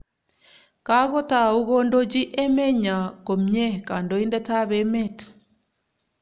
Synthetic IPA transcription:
ka˦ɣɔ˦ta˨u˦ɣɔ˦ndo˦d͡ʒi˦ʔɛ˦mɛ˦ɲa˨ko˨mɲɛ˦ka˨ndɔ˨i˦ndɛ˦ta˦βɛmɛ˦t

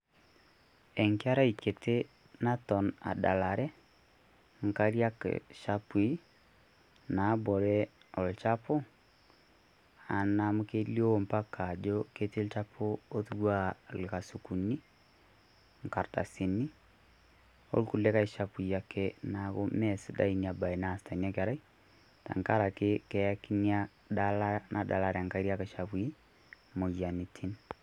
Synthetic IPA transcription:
ɛ˨ŋkea˦ɾa˦ike˨te | natɔ˨na̰˨da˨la˨ɾɛ˦ | ŋ˨kaɾi˦a˦kɛ̰ʃapwi˦ | na˨bɔ˨ɾɛ | ɔ˨lt͡ʃapo˦ | a˨namoke˦li˦o˦mpa˦ka˨d͡ʒokete˦lt͡ʃapʰoː˦ðu˦wa˦lekasuku˨ni˦ | ŋka˨ɾta̰˨si˨ni˦ | o̰˦likulɛ˦ka˦i˨ʃa˨pu˨i˨ja˨kʰɛnaɣomɛsida̰˦inia˨ba˨i˨nasta˨nia˦kaɾa˦i | ta̰˨ŋkaɾa˨kekɛa˦ki˦nia | dalanada̰˨laɾa˨ŋka˦iɾi˦aka˨ʃaβwui˦ | mo˨ja˨ni˨tʰi˦n

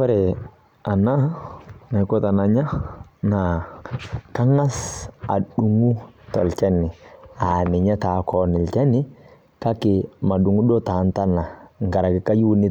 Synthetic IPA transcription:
wɛ˦ɾe˨ | a˨na˦na˨ko˦ta˨na˨ɲa˦na˨ | ka˦ŋa˦sa̰˨ɗu˨ŋu˦tɔ˨lt͡ʃɛ˦nɪ˨a˨mɪ˨ɲa˦ta˨kɔ˨˦nɪ˨lt͡ʃɛ˦nɪ˦ | ka˦kɪ˨ma˨ɗu˨ŋu˦do˦ta˨nta˦na˨ŋ˨ɡa˨ɾa˨kɪ˨ka˦ju˦ni˦

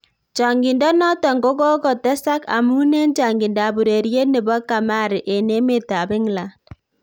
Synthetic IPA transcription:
t͡ʃɔ˨ŋɡɪ˨ndɔ˦nɔ˦tɔ˨ŋɡo˦ɡɔ˦kɔ˨tɛ˦sa˦ka̰˨mu˦ne˦nt͡ʃa˨ŋɡɪ˨nda˨bu˨ɾe˨ɾje˦ne˨bɔ˦ka˨ma˦˨ɾɪ˨ʔe˨ne˦me˦ta˨bɪ˦ŋla˨nd̚

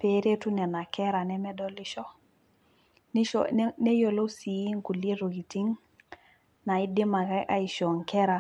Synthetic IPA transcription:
pe˦ɾe˦tu˦nɛ˨na˨kɛ˦ɾa˨nɛ˦mɛ˦dɔ˦li˦ʃɔ˦ | ni˦ɔnɛ˦jo˨lo˦si˨ji˦ŋku˨li˦ɾo˨ɡi˨ti˦ŋ | na˨i˦di˦ma˨kaʔa̰˦i˨ʃɔ˨ŋkɛ˦ɾa˨

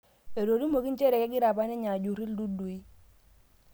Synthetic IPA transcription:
e˨ɾo˨di˦mo˨ki˦nt͡ʃe˦ɾɛ˨kɛ˦ɡɪ˦ɾa˨pa˦nɛ˦ɲa˨d͡ʒu˨ɾi˦ldu˦du˨i˦

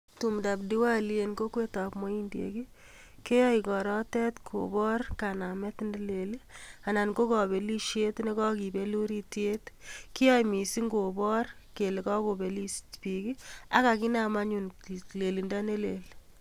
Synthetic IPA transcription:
tu˨mda˨pdi˦wa˦lie˨nko˦kwe˦ta˨pmɔ˦i˦ndjḛ˨ki˦ | ke˦jɔ˦i˨kɔ˨ɾɔ˦tɛ˦tkʰo̰˨bɔ˦rka˨na˨mɛ˦tnde˦le˨li˦a˨na˨nɡo˦kɔ˨be˨li˦ʃe˦tne˦kɔ˦ki˨be˦lu˦ɾi˦tje˦tki˦jɔ˦jmi˨si˦ŋɡo˨bɔ˦rke˨le˨kɔ˦ko˨be˨li˦stpi˨ki˦a˦ka˨ki˦na˨ma˦ɲu˨n˨le˨li˨nda˦ne˦le˨l

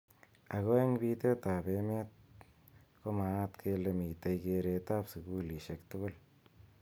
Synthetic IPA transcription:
a˨ɣo˦eŋbi˦t̪e˦t̪a˨pemet̪̚ | ko˦ma˨t̪kʰe˧lemi˨t̪e˨jkeɾe˨t̪a˦psuɡu˦li˨ʃe˨kt̪ʊɣʊl

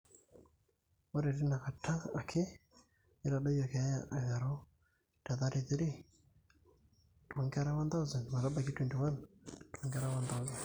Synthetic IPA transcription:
wɔ˦ɾɛ˨ɾi˦na˨ka˨tʰaː˦˨kʰe˦ | i˦ɾa˨ɗɔ˦jɔ˨kɛ˨a˦ja̰˨ʔa˨ɣa˨ɾɔ˦ | ta˨ða˦ɾiθi˦ɾi˦ | tɔ˨ŋɡa˦ɾa˦wa˦nd̪a˦wzɛ˨nma˨ɾa˦ba˨k̬i˦twɛ˨ndi˨wa˦ntu˨ɔ˨ŋɡa˦ɾa˦wa˦nd̪a˦zɛ˨n

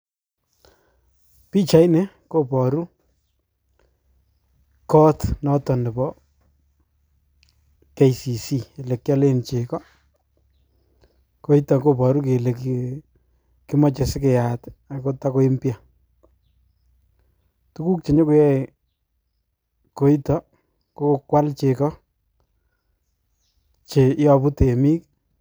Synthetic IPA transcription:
pi˦t͡ʃa˨jne˦ | ko˦pɔ˨ɾu˦ | kɔ˦tnɔ˦tɔ˨nɪ˨bɔ˦ | ke˦jsi˨si˦e˨le˨kːja˦le˦nt͡ʃe˨kɔ˦ | ko˦i˦tɔ˨ko˦˨pɔ˨ɾu˦k̬e˨le˨k | ki˦mɔ˦t͡ʃe˨sɪ˦k̬e˨ja˨ta˨ko˦ta˦ko˦i˦mpja˨ | tu˦ku˦k̚t͡ʃe˨ɲe˦ku˨˦jɛ˦ | ko˦i˦tɔ˦ | ko˦kwa˦lt͡ʃe˨kɔ˦ | t͡ʃe˨˦jɔ˨pu˦te˨mi˦k

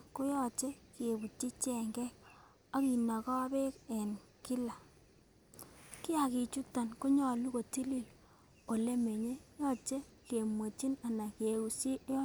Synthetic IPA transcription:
ko˦jɔ˦t͡ʃe˦ke˨bu˨tːi˦t͡ʃɛ˨ŋɡɛ˦k̚ | a˦ki˨na˨kɔ˦be˦kɛ˨n | ki˦la˨ | ki˦a˨ki˨t͡ʃu˦ta˨nko˦ɲɔ˨lu˦ko˨ti˦li˦˨l | o˨le˦me˨ɲe˦jɔ˦t͡ʃe˦ | ke˨mwo˨t͡ʃi˦na˨na˨ke˨u˨si˦jɔ˦

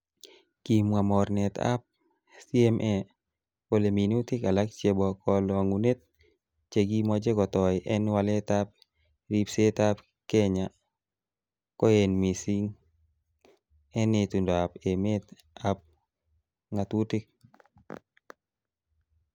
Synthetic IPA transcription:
kimwa˨mɔ˨rnɛ˨t̪a̰˦p̚ | si˦ɛmʔɛ | po˨le˨mi˨nu˦t̪ɪ˦ka˨la˦k̚t͡ʃe˦bɔkʰɔlaŋu˨ne˦t̪̚ | t͡ʃe˨ɡi˦mɔ˦d͡ʒe˦kɔ˨t̪ɔjʔɛ˦nwale˦t̪ap̚ | ɾi˦pse˦t̪a˦p | kɛ˦ɲa | kɔ˦enmi˨si˦ŋ | ɛ˦net̪u˨ndɔ˨a˨pe˨me˦t̪ | ap̚ | ŋat̪u˦tɪ˦k̚

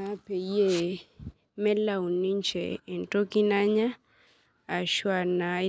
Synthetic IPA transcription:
a˦pe˨i˦e˦˨ | mɛ˦la˦u˨ni˦ɲt͡ʃɛ̰ː˨nto˦ki˦na˦ɲaː˦˨ | ʃwa˨na˨˦

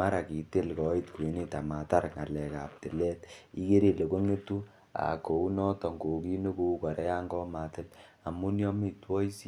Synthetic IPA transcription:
ma˦ɾa˨ki˨te˦lkɔ˨i˦tku˨e˨ni˦ta˨ma˨ta˦ɾŋa̰˨lɛ˨ka̰˨p̚tɪ˨lɛ˦ti˦ke˦ɾe˨le˨ko˦ŋe˦tu˦ | a̰˨ko˨u˦nɔ˦tɔ˨ŋɡo˨ki˦no˦ko˦u˦kɔ˨ɾɛ˦ja˦ŋɡɔ˦ma˨tɪ˦l | a˨mu˦njɔ˦mi˦˨twɔ˦i˦si˦

